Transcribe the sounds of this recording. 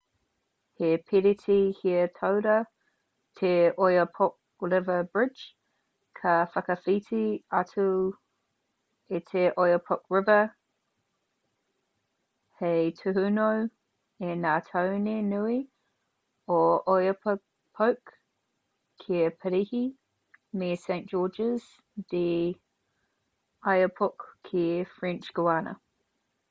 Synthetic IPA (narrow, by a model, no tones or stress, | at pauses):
hepʰɪɾitʰihiətʰowɾə | tʰeʔojəpʰok̚lɪvəbɹɪd͡ʒ | kʰəfɐkəfitʰiatʰu | etʰeʔojəpʰok̚ɹɪvə | hejtʰuhunow | ɛnaːtʰoʊnenui | ɔʔɔjəpʰ | pʰoʊk | ɛːpʰəɾihi | miːsẽɪ̃nd̥ʒ̥ɔːd͡ʒəz̥ | d̥i | aɪəpʰɔkʰːeːfɹɛ̃nt͡ʃɡ̥əaːnə̰